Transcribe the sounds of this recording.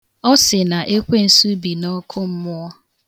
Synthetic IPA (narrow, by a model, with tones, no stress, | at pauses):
ɔ˦sɪ˨na˨ʔe˦kʷe˦n̩˨su˦bi˨nɔ˦kʰʊ˦m̩˦mʊ˦ɔ˦